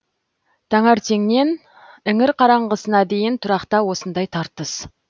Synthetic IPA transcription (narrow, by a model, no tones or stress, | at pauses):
t̪ʰɑŋɑɾt̪ʰe̞ŋne̞n | ɪŋɪɾqʰɑɾɑɴʁəsənɑd̪e̞jɪnt̪ʰʊɾɑqt̪ɑwo̞sənd̪ɑjt̪ʰɑɾt̪əs